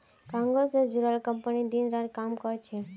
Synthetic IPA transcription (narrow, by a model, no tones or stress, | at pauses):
kãŋɡosed͡ʒuɾalkəmpənid̪inɾaɾkamkɔɾt͡ʃʰe